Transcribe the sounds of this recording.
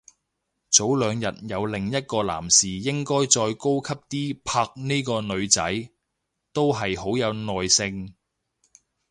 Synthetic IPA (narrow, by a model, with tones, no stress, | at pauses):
t͡so˨˥wlœː˨˧ŋjɐ˨t̚jɐ˨˧wlɪ˨˩ŋjɐ˥t̚kɔː˧la̰ː˨˩msiː˨˩jɪ˥ŋkɔː˥jt͡ʃɔː˧jko˥wkʰɐ˥p̚t̪iː˥pʰaː˧k̚niː˥jkɔː˧nɵ˨˧ɥt͡sɐ̰˨˥j | t̪o˥wɦɐ˨jho˨˥wjɐ˨˧wnɔː˨jsɪ˧ŋ